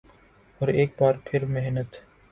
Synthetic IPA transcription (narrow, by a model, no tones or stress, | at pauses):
ɔːɾeːk̚baːɾpʰɪɾmeɦnət̪